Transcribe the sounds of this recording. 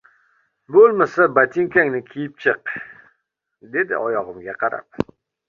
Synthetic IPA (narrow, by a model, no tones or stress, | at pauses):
bolˠmasabat̪ʰɪŋkʲaŋnɪkʲʰijɪp̚t͡ʃʰɨq | d̪e̞d̪ɪ̰ʔɒjɒʁɨmɡʲaqʰɑɾa̰p̚